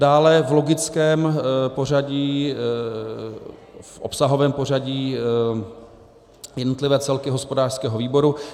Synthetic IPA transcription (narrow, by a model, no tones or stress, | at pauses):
daːlɛvlo̞ɡɪt͡skɛːmpo̞r̝aɟiː | fʔo̰psaɦovɛːmpo̞r̝aɟiː | jɛdnot̪lɪvɛːt͡sɛlkɪɦospo̞daːr̥skɛːɦoviːbo̞ɾu